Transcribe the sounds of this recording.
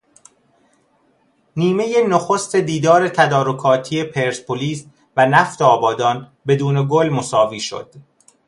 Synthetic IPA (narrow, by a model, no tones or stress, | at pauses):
niːme̞jenoxost̪e̞d̪iːd̪ɒːɾe̞t̪ʰæd̪ɒːɾokʰɒːt̪ʰije̞pʰeɾspʰoliːs | vænæft̪eɒːbɒːd̪ɒːn | be̞d̪uːne̞ɡolmosɒːviːʃo̞̰d̪̥